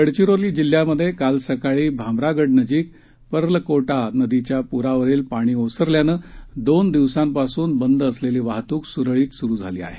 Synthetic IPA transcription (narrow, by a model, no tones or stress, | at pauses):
əɽt͡ɕiɾoliːd͡ʑil̤ːjaməd̪ʱːjekalsəkaɭiːbʱamɾaɡəɽnəd͡ʑiːk̚ | pəɾləkoʈanəd̪it͡ɕjapuɾaʋəɾiːlpaɽ̃iːosəɾljanəːd̪ond̪iʋsampasuːnbənd̪əsleliːʋaɦt̪uːksuɾɭiːt̪suɾuːd͡zʱaliːa̰ɦe